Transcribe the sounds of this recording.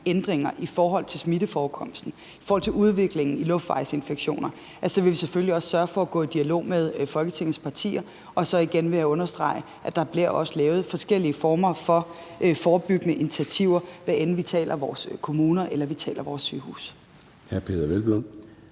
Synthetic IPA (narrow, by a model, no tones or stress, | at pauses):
end̥ʁeŋɐʔifɒːɦɒ̽l̰t͡sʰe̝lsmidəfɒːkʰɒ̽m̰sd̥n̩ | ifɒɔːhɒ̽l̰t͡sʰe̝uð̞ˠʋe̝ɡ̥le̝ŋn̩ilɔ̽fd̥ʋɑ̈ɪse̝nfeɡ̥ɕo̝̰ːnɐ | ʔæsɒ̽ʋe̝ʋisefølliɒ̽ssɶɐfɒ̽æɡ̥ɔ̰̽ːid̥iælo̝̰ːmeð̞ˠfɒ̽lɡ̥ət͡sʰe̝ŋð̩spʰɑ̈t͡sʰḭːɐ | ʔɒ̽sɒ̽iɡ̥enʋe̝jæɔ̽nɐsd̥ʁɑ̈ɪə | ʔæd̥ɑ̈b̥liɐ̰ʔɒ̽səlɛːʊð̞̩ˠfɒ̽sɡ̥el̰iəfɒːmɐfɒ̽ | fɒːb̥yɡ̥ənəʔinit͡sʰiæt͡sʰiʊ̰ɐʋæʔenn̩ʋit͡sʰɛ̰ːlʔɐʋɒːskʰo̝muːnɐʔelɐʋit͡sʰɛ̰ːlɐʋɒːsːy̰ːhṵːs | hæɐpʰe̝̰ðˠɐʋelb̥lon